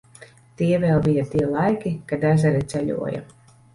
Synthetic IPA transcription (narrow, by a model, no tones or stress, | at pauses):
t̪iɛvɛːlˠbijat̪iɛlˠajkʲikad̪æzɛɾɛt̪sʲɛʎʲṵɔja̰